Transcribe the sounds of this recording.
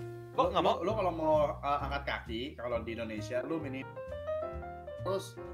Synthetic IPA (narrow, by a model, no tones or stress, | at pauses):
lʊŋamalukalɔmawəaŋkat̪̚ka̰kikalɔdiindonesialuminim | ɾʊs